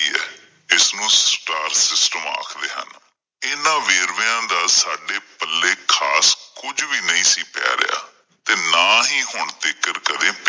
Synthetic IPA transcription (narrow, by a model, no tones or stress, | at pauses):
iːɛ̰ː | ɪsnũːsʈaːɾsɪsʈəma̰ːkʰd̪eːɦə̰n | ɪːnãːʋeːɾʋːãːd̪aːsaːɖeːpəlːeːkʰaːskʊd͡ʒʋiːnəĩːsiːpɛ̰ːɾɪ̰ja̰ː | t̪eːnãːɦiːɦʊɳt̪ɪkːəɾkəd̪ẽːp